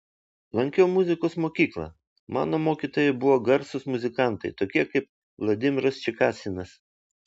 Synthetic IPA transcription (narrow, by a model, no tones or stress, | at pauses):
lˠɐŋʲkʲɛʊmʊzʲɪkoːsmoːkʲiːklˠɐ̰ | mɑ̰ːnoːmoːkʲiːt̪oːjɛbʊʋoːɡɐɾsʊsmʊzʲɪkɑˑnt̪ɐɪt̪oːkʲiɛkɐɪp̚ | lˠɐd̪ʲɪmʲɪɾɐst͡ʃʲɪkɑːsʲɪnɐs